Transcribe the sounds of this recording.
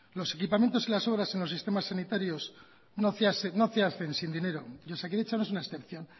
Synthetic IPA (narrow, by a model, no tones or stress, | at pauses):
lo̞se̞kipame̞nt̪osilaso̞β̞ɾase̞nlosist̪e̞masːanit̪aɾjo̞s | noθeaseno̞θeaθe̞nsind̪ine̞ɾo̞ʎosakeðet͡ʃanoes̬unaesθe̞pθjo̞n